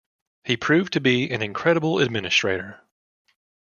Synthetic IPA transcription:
hipʰɹ̥ʉvtʰɨbiɨ̃nɨ̃nkʰɹ̥ɛɾəbl̩ˠɨ̰d̚mɪ̃nɨstɹ̥eɪɾə˞

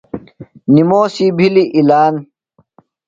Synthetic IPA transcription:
nimoːsibʱiliʔilaːn

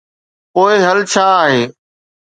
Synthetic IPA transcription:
poːɪɦəlt͡ʃʰaːɦeː

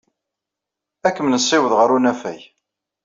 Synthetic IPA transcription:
ækːəmnəsˤːɪwəðʁəɾunæfæj

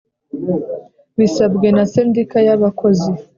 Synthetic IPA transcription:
wiːsabɡe̞nasendikajaβako̞zi

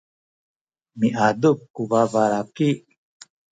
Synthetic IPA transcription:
miʔaːd̪upkuvaːvaːɾaki

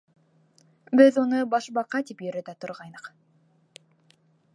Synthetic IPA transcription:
bɪðonɤbɑʃbɑqɑt̪ipjɵɾæd̪æt̪ʰʊ̆ɾʁɑjnəq

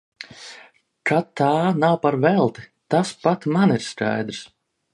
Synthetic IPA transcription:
kat̪ːaːnawpaɾvɛlˠt̪i̥t̪aspat̪maniɾska̰jd̪ɾs

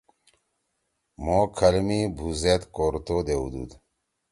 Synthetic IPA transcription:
mokʰɐlmibʱuzet̪koːɾt̪od̪eṵd̪ṵd̪

